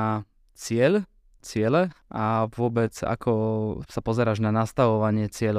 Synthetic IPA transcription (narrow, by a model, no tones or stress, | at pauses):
a | t͡sɪɛl | t͡sɪɛlɛaʋʊɔbɛd͡za̰kʰɔsapɔzɛɾaːʒnanast̪aʋɔʋaɲɪɛt͡sɪɛʎ